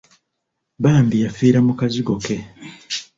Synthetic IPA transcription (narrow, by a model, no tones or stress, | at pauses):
baːmbijafiːɾamukaziɡo̞ke̞